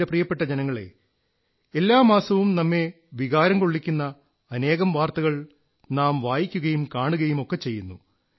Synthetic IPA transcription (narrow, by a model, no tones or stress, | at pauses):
eprijɐpːe̞ʈːɐd͡ʑenɐŋːɐɭe̞̰ | elːaːmaːsɐʋumnɐmːe̞ | ʋiɣaːɾɐŋko̞ɭːikʲːunːɐː | ne̞ːɣɐmʋaːrt̪ɐɣɐɭ | naːmʋaːjikʲːuɣɐjumkaːɳuɣɐjumo̞kːet͡ɕːe̞jːunːṵ